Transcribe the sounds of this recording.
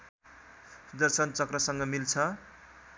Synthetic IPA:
sud̪ʌrsʌnt͡sʌkrʌsʌŋɡʌmilt͡sʰʌ

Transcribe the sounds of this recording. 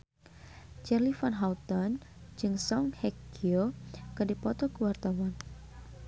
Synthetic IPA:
t͡ʃɛrlifanɦaut̪ɔnd͡ʒɨŋsɔŋhɛkiokɨdipɔt̪ɔkəwart̪awan

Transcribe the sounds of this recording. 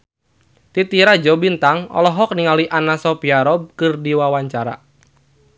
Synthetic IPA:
t̪it̪iɾad͡ʒɔbint̪aŋɔ̰lɔɦɔk̚niŋaliʔanasɔpiaɾɔb̚kɨrdiwawaɲt͡ʃaɾa̰

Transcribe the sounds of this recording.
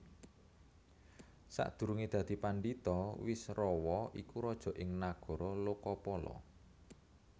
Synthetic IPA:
sa̰ʔd̪̥ṳɾuŋid̪̥ä̤d̪̥i̤panɖit̪ɔwɪsrɔwɔʔikuɾɔd̥ʒ̥ɔ̤ʔɪŋnaɡ̥ɔ̤ɾɔlokɔpɔlɔ̰

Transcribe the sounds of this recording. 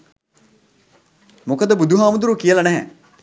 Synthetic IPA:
mokəd̪əbud̪ʱuɦaːmud̪uɾukijəlɐnæɦɛ

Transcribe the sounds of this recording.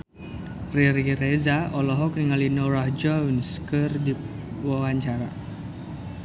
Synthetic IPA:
riɾirezaɔlɔɦɔkniŋalinɔɾahd͡ʒɔwnskɨrdi | wawaɲt͡ʃaɾa

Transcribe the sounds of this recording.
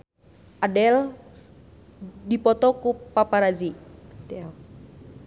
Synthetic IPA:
ʔadɛl | dipɔt̪ɔkupapaɾazidɛɛl

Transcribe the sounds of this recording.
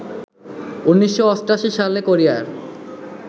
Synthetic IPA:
unːiʃːoɔsʈaʃiʃalekoɾijaeɾ

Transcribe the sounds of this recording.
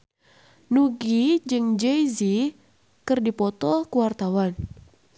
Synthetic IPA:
nuɡid͡ʒɨŋd͡ʒeizi | kɨrdipɔt̪ɔkuwart̪awan

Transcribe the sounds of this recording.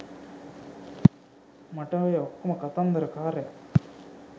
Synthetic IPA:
mɐʈaːʋɐjɐɔkːumɐkɐt̪ɐnd̪ɐɾɐkaːɾe

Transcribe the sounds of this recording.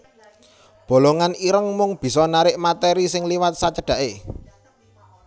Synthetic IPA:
b̥o̤loŋaniɾəŋmʊŋb̥i̤sɔnaɾɪʔmat̪ɛɾisɪŋliwat̪̚sat͡ʃəɖ̥ä̤ʔe

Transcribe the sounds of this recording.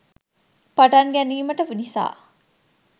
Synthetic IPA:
paʈanɡɛniːməʈəʋinisa̰ː

